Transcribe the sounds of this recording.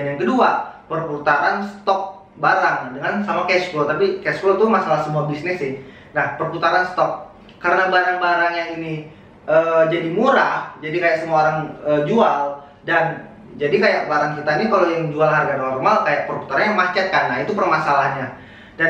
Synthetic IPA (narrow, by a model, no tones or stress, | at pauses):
njaŋkəduapərput̪aɾansə̥t̪ɔk̚ | baɾaŋdəŋansamakɛskot̪apikɛskot̪umasalahsəmuabisnɪsɪh | nahpərput̪aɾansə̥t̪ɔk̚ː | aɾənabaɾaŋbaɾaŋjaŋini | əːd͡ʒadimuɾahd͡ʒadikajaʔsəmuaoɾaŋəd͡ʒual | dan | d͡ʒadikajaʔbaɾaŋk̬it̪ainikalojaŋd͡ʒualharɡanɔrmalkajaʔpərput̪aɾanɲamat͡ʃɛt̪̚kanait̪upərmasalahɲa | dan